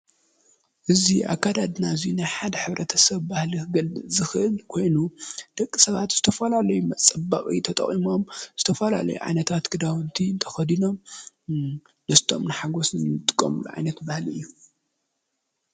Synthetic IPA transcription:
ʔɨziʔa̰kʰːad̪ad̪naɨzinajħad̪ɐħɨβɾɐt̪ʰɐsɐβbahliɡɐlbɨzɨxʔɨlkʰo̞jnud̪̥ɐkʼːisɐβa̰t̪z̥ɨt̪ʰɐfɐlalɐjumɐt͡sʼɐba̰χʼḭt̪ʰɐt̪ʼɐ̰χʼimo̞mz̥ɨt̪ʰɐfɐla̰lɐ̰jṵʕa̰jnɐt̪ʰat̪ɡɨd̪awɨnt̪ʰiɨnt̪ʰɐ̥xɐd̪ino̞m | dɐst̪ʰo̞̰mnɨħaɡo̞snɨɨt̪ʼɨkʼːɐ̰mɨluʕa̰jnɐt̪bahliɨjːu

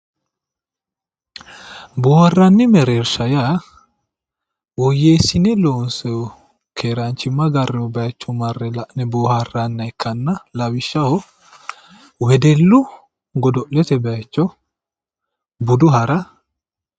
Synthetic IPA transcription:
boːhɐrːɐnːɪmɛɾeːɾsɐja | wɔjːeːsɪnɛloːnsɛjɔ | kʰeːɾɐnt͡ʃːɪmːɐɡɐrːɛɔbɛɐt͡ʃːɔmɐrːɛnɛboːhɐrːɐnːɐɛkʰːɐnːɐlɐwɪʃːɐhɔ | wɛd̪ɛlːʊ | ɡɔd̪ɔʔlɛt̪ɛbɛat͡ʃːɔ | bʊd̪ʊɦɐɾɐ

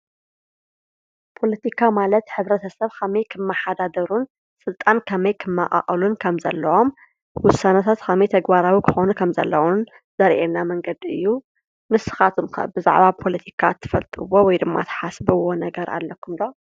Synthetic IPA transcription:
pʰo̞lɐt̪ʰikʰamalɐt̪ħɨβɾɐt̪ʰɐsɐβkʰɐmɐjkʰɨmːaħad̪ad̪ɐɾun | sʼɨlt̪ʼankʰɐmɐjkʰɨmːa̰qʼa̰χʼɐlunkʰɐmzɐ̰lːɐwom | wʊsːanɐt̪ʰat̪kʰɐmɐjt̪ʰɐɡbaɾawikʰɨ̥xonukʰɐmzɐ̰lːɐwun | zɐɾʔenamɐŋɡɐd̪iɨ̰jːu | mɨsɨ̥xat̪ʰumkɐ̰bɨza̰ʕβapʰo̞lɐt̪ʰi̥kʰat̪ʰːɨ̥fɐlt̪ʼɨwːowɔjd̪ɨmːa̰t̪ʰɐ̥ħasbɨwo̞nɐɡɐɾa̰lːɐkʰːumd̪o

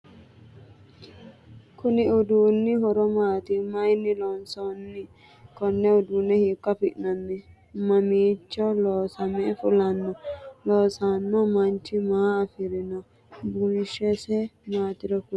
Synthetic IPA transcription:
kuniudunːiɦɔɾɔmat̪imajnilɔnsɔnːi | kɔnːɛudunɛhikːapiʔnanːi | mamit͡ʃːɔlɔsamɛfulanːɔlɔsanːɔmantimaːfiɾinɔ | bunʃɛsɛmatiɾɔfu

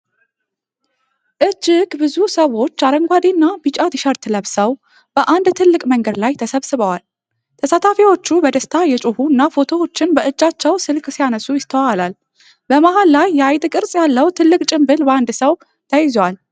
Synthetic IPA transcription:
ʔɨd͡ʒːɪɡbɨzusəwo̞t͡ʃːaɾəŋɡʷad̪inːabit͡ʃʼat̪iʃəɾt̪ʰɨləβsəw | b̥əʔand̪t̪ʰɨlːɨkʼməŋɡəd̪lajt̪ʰəsəβsɨβəwal | t̪ʰəsat̪ʰafiwo̞t͡ʃːubəd̪əst̪ʰajɛt͡ʃʼuhuɨnːafo̞t̪ʰo̞wo̞t͡ʃːɪnbəʔɨd͡ʒːat͡ʃːɛwsɨlksijanəsːujɪst̪ʰəwalal | bəmahalːajːɛajt̪ʼɨkʼɨɾsʼjalːəwt̪ʰɨlːɨkʼt͡ʃʼɪmbɨlbəand̪səw | t̪ʰəjɪzwal

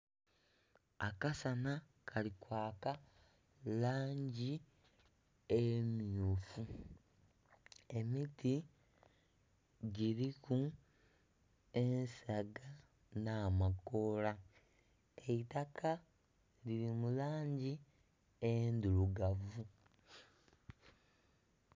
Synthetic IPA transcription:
akasana | kʰalikwaːka | laːɲɟi | emjofu | e̞miti | ɟiɾiku | e̞nsaɡa | namakola | eitakʰa | liɾimulaːɲɟi | end̪uluɡavu

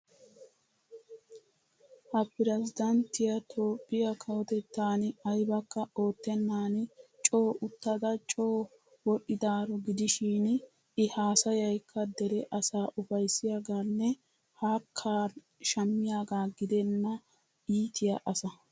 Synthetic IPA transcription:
hɐpːɪɾɛzɪd̪ɐnt̪ɪjɐt̪ʰo̞ːpːɪjɐkʰɐwɔt̪ɛt̪ːaːnɐjbɐkːɐo̞ːt̪ːɛnːaːnt͡ʃʼo̞ːʔʊt̪ːɐd̪ɐt͡ʃʼo̞ː | wɔɗɪd̪aːɾɔɡɪd̪ɪʃiːn | ɪhaːsɐjɐjkʰːɐd̪ɛɾɛʔɐsaːʔʊfɐjsɪjaːɡaːnːɛ | haːkʰːaːn | ʃɐmːɪjaːɡaːɡɪd̪ɛnːɐ | iːt̪ʰɪjɐʔɐsɐ

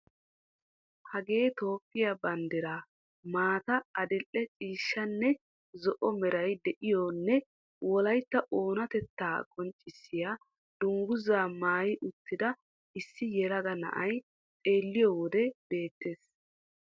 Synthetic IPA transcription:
hɐɡe̞ːt̪o̞ːpːɪjabɐnd̪ɪɾa | maːt̪ɐɐd̪ɪlʔːɛt͡ʃʼiːʃːɐnːɛ | zɔʔɔmɛɾɐjd̪ɛʔɪjoːnːɛ | wɔlɐjt̪ːɐʔo̞ːnɐt̪ɛt̪ːaːkʼɔnt͡ʃʼːɪsːɪjaː | d̪̥ʊŋɡʊzaːmaːjɪʔʊt̪ːɪd̪ɐ | ɪsːɪjɛɾɐɡɐnɐ̰ʔɐj | t̪ʼe̞ːlːɪjɔwɔd̪ɛb̥e̞ːt̪ːe̞ːs

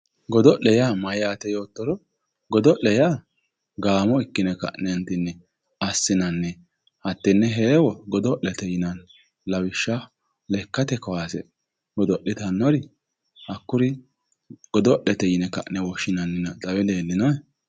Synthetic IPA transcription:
ɡɔd̪ɔɗɛjamɐjaːt̪ɛjo̞ːt̪ːɔɾɔ | ɡɔd̪ɔʔɛjaː | ɡaːmɔɪkːɪnɛkɐ̰ʔnɛnt̪ɪnːɛ | ɐsːɪnɐnːɛ | hɐt̪ːɪnːɛɦeːwɔɡɔd̪ɔʔɛt̪ɛjɪnɐn | lɐwɪʃːa | lɛkːɐt̪ɛkɔwaːsɛ̰ | ɡɔd̪ɔɗːɪt̪ɐnːɔɾɪ | hɐkːʊɾɪ | ɡ̥ɔd̪ɔʔɛt̪ɛjɪnɛkɐ̰ʔnɛwɔʃːɪnɐnːɪnɐt͡sʼɐwɛleːlːɪnɐɛ

